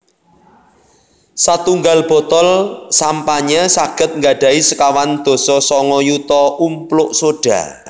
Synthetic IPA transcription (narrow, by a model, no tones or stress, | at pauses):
sat̪uŋɡalb̥ɔ̤t̪ɔlsampaɲasaɡ̥ə̤t̪̚ŋɡaɖ̥a̤isəkawand̪̥ɔ̤sɔsɔŋɔjut̪ɔumplʊʔsoɖ̥ä̤